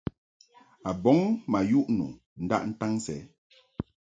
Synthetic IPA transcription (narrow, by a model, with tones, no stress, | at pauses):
a˨bɔ˨˦ŋma˨ju˦ʔnṵ˨ | n̩˦da̰˦ʔn̩˦ta˦ŋsɛ̰˨˦